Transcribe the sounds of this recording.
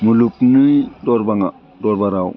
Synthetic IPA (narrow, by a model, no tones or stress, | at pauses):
mulupnɯjdɔɾbaŋa | dɔɾbaɾaw